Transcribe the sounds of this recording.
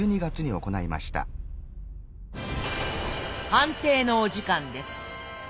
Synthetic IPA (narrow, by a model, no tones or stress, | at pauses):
ɨːɲ̟iɡat͡sɨɲ̟io̞ko̞naima̰ɕi̥t̪a̰ | hãnt̪e̞ːno̞ːʑikãnd̪e̞sɨ̥